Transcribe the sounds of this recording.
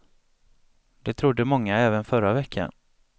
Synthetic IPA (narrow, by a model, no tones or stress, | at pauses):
d̪̥ɛt̪ʰɾʊd̪ːəmɔŋːaɛːvənfœɾavɛkʰːa̰n